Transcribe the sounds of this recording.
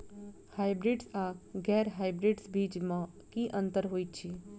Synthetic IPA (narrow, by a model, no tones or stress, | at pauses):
hajbɾiɖsakɡɛɾɦajbɾiɖsbʱiːd͡ʒmã | kiʔə̃nt̪əɾɦoit̪t͡ʃʰi